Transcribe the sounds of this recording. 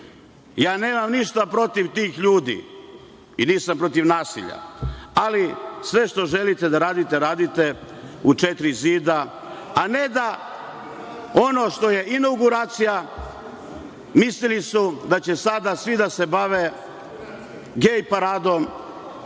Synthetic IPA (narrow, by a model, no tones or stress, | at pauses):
jaːne̞ːmamniʃt̪apɾo̞t̪iʋt̪iːxʎuːd̪ḭ | iniːsampɾo̞t̪iʋnaːsḭʎa̰alisʋe̞ʃt̪o̞ʒe̞lit̪e̞d̪aɾaːd̪it̪e̞ɾaːd̪it̪e̞ | ut͡ʃet̪ɾiziːd̪a | ane̞d̪a | o̞no̞ʃt̪o̞je̞ʔinaɡuɾaːt̪sija | mislilisud̪at͡ɕe̞sad̪asʋid̪ase̞baʋe̞ | ɡejpaɾaːd̪o̞m